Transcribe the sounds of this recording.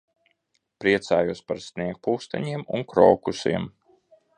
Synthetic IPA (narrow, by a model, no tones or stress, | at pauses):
pɾiɛt̪saːjuɔspaɾsniɛk̚puːst̪a̰ɲiɛmṵnkɾɔːkusḭɛm